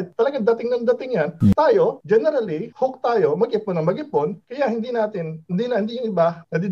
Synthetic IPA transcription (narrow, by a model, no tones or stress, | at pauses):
t̪ɐlɐɡaŋd̪ɐt̪ɪŋnɐŋd̪ɐt̪ɪŋjɐnt̪aːjo̞d͡ʒɛnɛɾɐlihok̚t̪aːjo̞mɐɡʔɪponɐŋmɐɡɪponkɐjahɪnd̪iːnaːt̪ɪnnd̪iːnɐhɪnd̪iːɲʊŋʔɪbanɐd̪i